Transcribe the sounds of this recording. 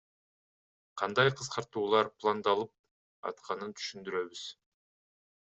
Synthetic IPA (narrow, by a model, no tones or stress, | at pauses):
qʰɑnd̪ɑjqʰɯsqɑɾt̪uːlˠɑɾplˠand̪ɑlˠɯp̚ | ɑ̰t̪qʰɑnɯnt̪ʰy̥ʃynd̪yɾø̞βyz̥